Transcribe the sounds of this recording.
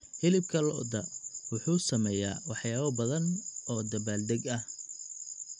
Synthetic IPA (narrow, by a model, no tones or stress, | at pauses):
hɪlɪb̚kʰɐlɔːd̪ɐwʊħuːsɐmɛːja̰ːwɑħjaːβɐbɐðɐnɔːd̪ɐbaːld̪ɛɡɐh